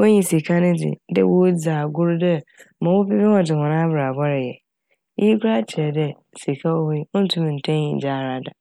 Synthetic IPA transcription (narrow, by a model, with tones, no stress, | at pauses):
wo˦ɲĩ˨si˨kʰa˦nɪ̃˦dɪ̰˨dɛ̰˦wo˦d͡zaː˨ɡʊ˦ɾdɛ˦mã˨wo˦pɪ˦bɛ˦hɔ̃˨dɪ˨hɔ̃˨nã˦bɾa˨bɔ˦ɾɪ˨jɛ˨ | ji˦kʰʷʊ˦ɾa˦t͡ɕʰɪ˨ɾɛ˨dɛ˦˨si˨kʰa˦wo˦be˦ʊ˦n̩˦tʰʊ̃˦m˨n̩˨tʰɛ̃˦ɲḭ̃˨d͡ʑaː˦˨ɾa˦da˨